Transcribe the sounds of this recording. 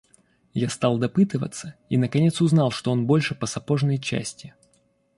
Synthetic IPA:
jast̪ɑlˠd̪ɐpɨt̪ɨvə̰t̪sːəinəkɐnʲe̞t̪sʊznɑlˠʂt̪o̞o̞nbo̞lʲʂɨpəsɐpo̞ʐnəjt͡ɕæ̰sʲtʲɪ

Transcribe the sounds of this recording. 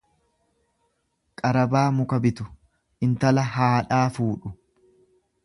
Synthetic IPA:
kʼɐɾɐbaːmʊkɐbɪt̪ʊ | ʔɪnt̪ɐlɐɦaːᶑaːfuːᶑʊ

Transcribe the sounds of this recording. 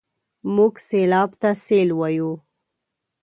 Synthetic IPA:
muɡselɑbt̪aselwaju

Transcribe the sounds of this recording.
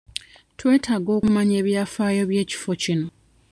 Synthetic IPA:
twe̞ːtʰaɡo̞ːkumaɲe̞ːβjaːfaːjo̞βje̞ːci̥fo̞cino

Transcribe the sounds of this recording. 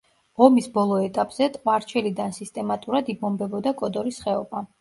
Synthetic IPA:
ʁɔmisbɔlˠɔɛt̪ʼapʼz̥ɛt̪ʼqʼwaɾt͡ʃʰɛlid̪ansist̪ʼɛmat̪ʼuɾad̪ibɔmbɛbɔd̪akʼɔd̪ɔɾisχɛɔba

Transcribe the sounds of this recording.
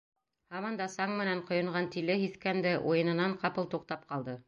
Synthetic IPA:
hɑmɑnd̪ɑsɑŋmɘ̆næɴqŏjŏɴʁɑnt̪ilɘhiθkænd̪æʔujɤ̆nɤ̆nɑɴqɑpɤlˠt̪uq̚t̪ɑp̚qɑlˠd̪ɤ

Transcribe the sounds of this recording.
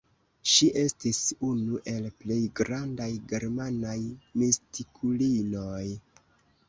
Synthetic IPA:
ʃiʔe̞stisunuʔe̞lple̞jɡɾandajɡe̞ɾmanajmistikʰulino̞j

